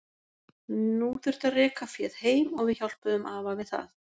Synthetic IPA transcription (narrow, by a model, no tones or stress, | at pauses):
nuθʏɾ̥t̪aðrɛːkafjɛð̥heːjmɔɣvɪðçawl̥pʏðʏmʔaːvaɣvɪðθa̰θ